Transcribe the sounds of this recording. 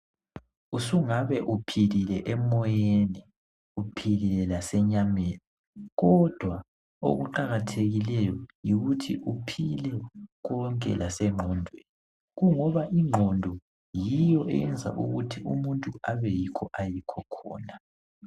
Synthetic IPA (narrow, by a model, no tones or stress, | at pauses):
usuŋaβɛʔupʰililɛʔɛmɔjenɛ | upʰililɛlasɛɲameːni | ɣɔd̥ʱwa | o̰ɣuǃaɣatʰeɣilɛjɔjiɣutʰḭʔupʰilɛɣɔŋkʼɛ̰lasɛŋ͡ǃʱɔndʱweni | ɣuŋɔβaʔiŋ͡ǃʱɔndʱɔ | jijɔʔɛ̰jɛnd͡zʱa̰ʔuɣutʰiumuntʼuaβɛjikʰɔʔajikʰɔkʰɔ̰ːna